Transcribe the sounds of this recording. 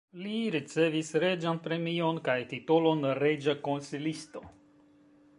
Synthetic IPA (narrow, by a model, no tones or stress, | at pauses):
liɾit͡se̞visɾe̞d͡ʒanpɾe̞mio̞nkajtito̞lo̞nɾe̞d͡ʒako̞nsilisto̞